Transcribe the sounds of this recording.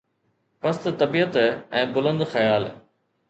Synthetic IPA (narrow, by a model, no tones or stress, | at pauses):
pɐst̪t̪ɐbijət̪ɛ̃ːbʊlə̃nd̪xɐjaːl